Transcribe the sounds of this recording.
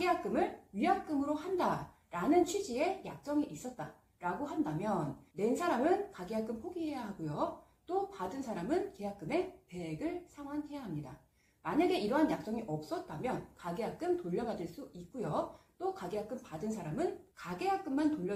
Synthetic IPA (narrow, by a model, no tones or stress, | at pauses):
kɡejak͈ɯmɯɭɥijak̚k͈ɯmɯɾohanda | ɾanɯnt͡ɕʰɥid͡ʑie̞jak̚s͈ʌŋiʔis͈ʌt̚t͈a | ɾaɡoɦandamjʌnːe̞nsʰaɾamɯnkaɡejak͈ɯmpʰoɡiɦe̞jaɦaɡojo | t͈opadɯnsʰaɾamɯnke̞jak͈̚ɯme̞pe̞eɡɯɭsʰaŋwanhejaɦamɲida | maɲaɡe̞iɾʌɦanjak̚s͈ʌŋiʔʌp̚s͈ʌt̚t͈amjʌnkaɡejak͈ɯmtoʎːʌɡadɯɭs͈uik̚k͈ojot͈okaɡejak͈ɯmpadɯns̬ʰaɾamɯnkaɡe̞jak͈ɯmːantoʎːʌ